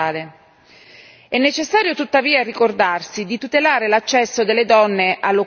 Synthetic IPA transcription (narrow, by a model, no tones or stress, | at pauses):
aːle | ɛnːet͡ʃesːaːɾjot̪ut̪ːaviːarikord̪arsid̪it̪ut̪elaːɾelat͡ʃːɛsːod̪elːed̪ɔnːeʔalːo